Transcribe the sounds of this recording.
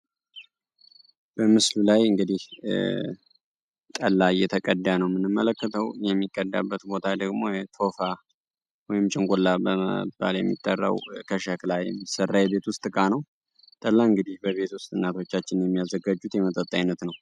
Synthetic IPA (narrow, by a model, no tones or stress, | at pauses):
b̥əmɨslulajɨŋɡɨd̪ih | t̪ʼəlːajɛt̪ʰəkʼəd̪ːanəwmɨnɨmːələkːət̪ʰəwjɛmːikʼːəd̪ːa̰bːət̪bo̞t̪ʰad̪əɡmo̞jɛt̪ʰo̞fa | wɔjɪmt͡ʃʼɪŋɡʷʼolːabəə̰b̥ːa̰ljɛ̰mːḭt̪ʼːərːa̰wkʰəʃaklajɛ̰mːisərːajɛbe̞t̪wʊst̪ʼɨkʼanəw | t̪ʼəlːaɨŋɡɨd̪ihbəβe̞t̪wʊst̪ʼɨnːat̪ʰo̞t͡ʃːat͡ʃːɪnjɛmːijazəɡad͡ʒut̪jɛmət̪ʼət̪ʼːajnːət̪nəw